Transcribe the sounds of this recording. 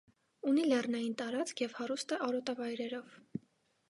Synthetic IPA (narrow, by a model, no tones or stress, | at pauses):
unilɛrnɑjint̪ɑɾɑt͡skʰjɛvhɑɾust̪əʔɑɾɔt̪ɑvɑjɾɛɾɔv